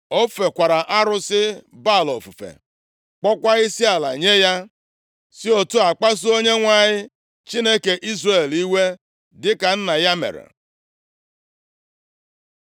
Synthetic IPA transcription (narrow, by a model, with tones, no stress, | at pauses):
o˦fe˨kʷa˨ɾa˨ʔa˦ɾʊ˦sɪ˦ba˦˨lɔ̰˨fṵ˨fḛ˨ | k͡pɔ˦kʷa˦ɣɪ˦si˦a˨la̰˨ɲe˦ja˦ | si˦o˨tu˦a˨k͡pa˦s̬ʊ˦o˦ɲe˦ŋʷa˦˨ɲɪ˦ | t͡ʃi˦ne˦ke˨ʔi˦zre˨li˦we˦ | dɪ˦ka˨n̩˦na˨ja˦mḛ˨ɾḛ˨